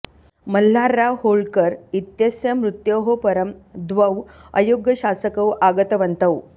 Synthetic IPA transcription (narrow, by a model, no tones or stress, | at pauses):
məl̤ːaɾːahoɭkəɾit̪jəsjəmɾut̪joɦopəɾəmd̪ʋəʋə̰joɡjəɕasəkəwaɡət̪əʋənt̪əw